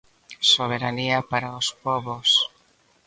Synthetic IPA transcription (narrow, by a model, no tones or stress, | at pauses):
soβ̞eɾaniapaɾaospɔβos